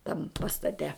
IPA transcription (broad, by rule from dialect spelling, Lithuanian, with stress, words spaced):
tɐm pɐstɐˈtʲɛ